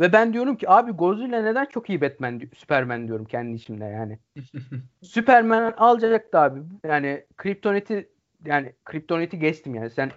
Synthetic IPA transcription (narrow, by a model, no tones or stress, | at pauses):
vɛbænd̪ijo̞ɾumcʰiaːbiɡo̞zujlʲˠaned̪ænt͡ʃʰo̞kijibɛt̪̚mænd̪sy̥pʰæɾmænd̪ijo̞ɾumcʰɛnd̪iːʃimd̪ɛjaːnɪ | sypʰæɾmænnalˠd͡ʒad͡ʒak̚t̪aːbijaːnɪkʰɾip̚t̪ʰo̞net̪ʰi | jaːnɪkʰɾip̚t̪ʰo̞net̪ʰiɟɛt͡ʃt̪imjaːnisæn